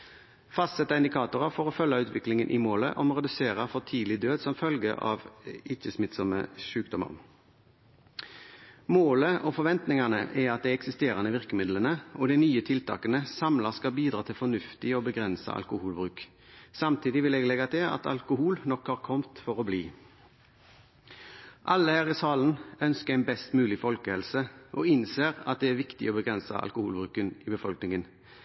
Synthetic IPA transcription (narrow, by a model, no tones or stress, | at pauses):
fɑst̪sɛt̪ːəɪnd̪ɪkʰɑːt̪ʊɾəfɔʁɔfœlːɑʉːt̪ʋɪklɪŋənʔɪmoːlə̰ʔɔmʁɛd̪ʉseːʁəfɔt̪ʰiːlɪd̪øːd̪sɔmfœlɡə̰ʔɑ̰ʋɪt͡ʃːəsmɪt̪sɔmə̰ʃʉːk̚d̪ɔmɑ̰ʁ | moːləʔɔfɔɾʋɛnt̪nɪŋɑnəʔɛɑt̪̚d̪ɛɪɛksɪst̪eːʁɑnəʋɪʁkəmɪd̪lənəɔd̪ɛɪnyːət̪ʰɪlt̪ʰɑ̰ːkənəsɑmlɑskɑlbiːd̪ʁɑːt̪ʰɪlfɔnʉft̪ɪɔbəɡʁɛnsə̰ʔɑ̰lkʊhuːlbʁʉːk | sɑmt̪ʰiːd̪ɪʋɪlɛɡlɛɡɑt̪ʰɪlɑ̰t̪ɑ̰lkʊhuːlnɔkhɑːʁkʰɔmt̪fɔʁɔbliː | ʔɑlːəhæːʁɪsɑːlən̩œnskəæɪnbɛst̪mʉːlɪfɔlkəhɛlsəʔɔɪnseːʁɑ̰t̪̚d̪ɛæɾʋɪkt̪ɪ̰ɔːbəɡʁɛnsɑ̰ɑ̰lkʊhuːlbʁʉːkənɪbəfɔlknɪŋən